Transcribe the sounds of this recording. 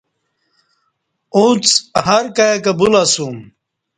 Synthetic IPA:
ũt͡shɐɾkɐjekɐbulasum

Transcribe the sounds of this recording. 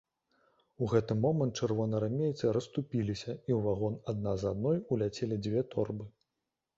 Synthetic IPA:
uɣɛt̪ɨmɔmɐnt̪t͡ʂɛrvɔnɐɾamʲejt̪sɨɾɐst̪upʲilʲisʲɐiwvaɣɔnad̪̚nazad̪̚nɔjulʲat͡sʲelʲid͡zʲvʲɛt̪ʰɔrbɨ

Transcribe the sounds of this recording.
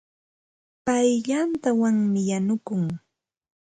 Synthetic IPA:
pajʎant̪awaŋmɪjanʊkʊŋ

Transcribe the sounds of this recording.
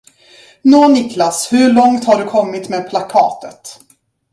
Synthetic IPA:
noːnɪklashɵɭɔŋt̪haɖɵkʰɔmːɪt̪meːd̪̚pʰlakʰɑ̰ːt̪ət̪

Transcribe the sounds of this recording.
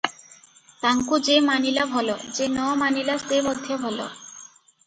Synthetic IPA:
t̪aŋkud͡ʑemanilabʱɔlod͡ʑenɔmanilasebod̪ʱːebʱɔlo̰

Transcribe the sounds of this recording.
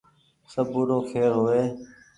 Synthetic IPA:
səbuːɾoːkʰeːɾɦoːʋeː

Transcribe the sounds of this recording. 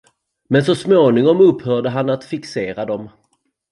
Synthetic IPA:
mɛnsɔsmoːnɪŋɔmɵphœːɖəɦanːat̪fɪkseːɾad̪ɔm

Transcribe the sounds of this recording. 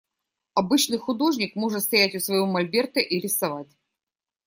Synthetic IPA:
ɐbɨt͡ɕnɨjxʊd̪o̞ʐnʲɪkmo̞ʐɨt̪st̪ɐjætʲʊsvɐjomɐlʲbʲe̞rt̪əʔiɾʲɪsɐvat̚ʲ

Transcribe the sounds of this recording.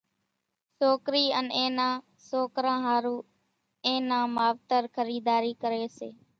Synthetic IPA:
soːkɾiːənẽːnãː | soːkɾãːɦaːɾũː | ẽːnãːmaːʋt̪əɾkʰəɾiːd̪aːɾiːkəɾeːseː

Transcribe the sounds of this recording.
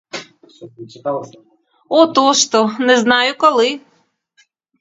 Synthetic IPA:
ɔt̪ɔʃt̪ɔnɛznɑjʊkɔlˠɪ

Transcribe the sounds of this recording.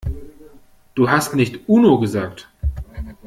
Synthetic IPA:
d̥uːɦastnɪçtʔuːnoɡəzaːk̚t

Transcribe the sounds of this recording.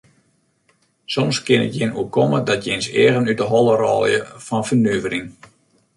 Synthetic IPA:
sɔmskɪnə̰tjɪnuəkɔmədɔtjɪnsɛ̰ːəɣənydəɦɔlˠərɔːjə̰fɔnfənøəvəriŋ

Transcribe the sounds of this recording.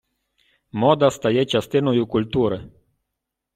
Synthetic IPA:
mɔd̪ast̪ajɛt͡ʃast̪ɪnɔjukulʲt̪uɾɛ

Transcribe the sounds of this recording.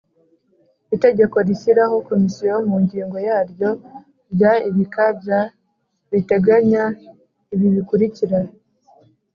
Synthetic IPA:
ite̞ɟe̞ko̞ɾisiɾaho̞ko̞misijoomuɲɟiːŋɡo̞jaːɾjo̞ | ɾjaiβikabja | ɾite̞ɡaɲa | iβiβikuɾiciɾa

